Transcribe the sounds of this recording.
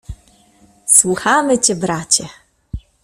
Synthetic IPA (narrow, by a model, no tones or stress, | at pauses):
swuxamɘt͡ɕɛbɾat͡ɕɛ